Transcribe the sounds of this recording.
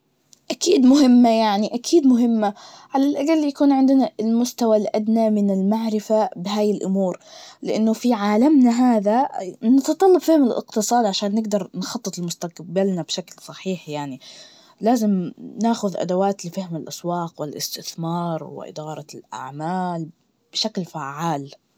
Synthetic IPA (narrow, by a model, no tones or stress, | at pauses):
ʔakiːd̪mʊɦɪmːajaʕniʔakʰiːd̪mʊɦɪmːa | ʕalalʔaɡalːjakuːnʕɪnd̪ɪnalmʊst̪awalʔad̪namɪnɪlmaʕɾɪfabɪɦaːjɪlʔʊmuːɾlɪʔanːʊfiʕaːlamnaɦaːðanɑt̪ɑt̪ˤɑlːɑbfɪhmɪlʔɪ̰qt̪ɨsˤɑːd̪ʕaʃaːnːɪɡd̪ɑɾˤnxɑt̪ˤːɨt̪ˤɪlmʊst̪aqbalnabʃaklsˤɑħiːħjaʕni | laːzɪmnaːxʊðʔa̰d̪awaːt̪lɪfahmɪlʔaswɑːqwɪlʔɪ̰st̪ɪθmɑːɾˤwɪ̰ʔɪ̰d̪ɑːɾˤɑlʔa̰ʕmaːl | b̥ɪʃaklfaʕːaːl